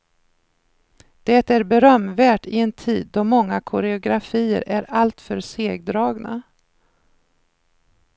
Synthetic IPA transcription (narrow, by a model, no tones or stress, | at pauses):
d̪̥ɛt̪æɾbɛɾœmːvæːʈɪɛnt̪ʰiːd̪ːɔmɔŋːakʰʊɾɛʊɡɾafiːə̰ɾʔæɾalt̪fœɾseːɡ̚d̪ɾɑːɡna̰